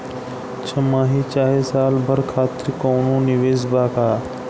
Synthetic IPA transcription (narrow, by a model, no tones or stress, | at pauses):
t͡ʃʰəmãːɦiːt͡ʃaːɦeːsaːlbʱəɾkʰaːt̪ɾikoːnõːnɪʋeːzbaːkaː